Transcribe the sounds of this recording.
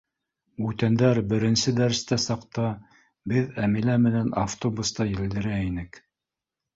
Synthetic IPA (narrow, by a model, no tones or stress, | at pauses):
ʉt̪ænd̪æɾbɘ̆ɾɘ̆nsɘd̪æɾst̪æsɑqt̪ɑ | bɘðæmilæmɘ̆nænaft̪obust̪ɑjɘ̆ld̪ɘ̆ɾæinɘk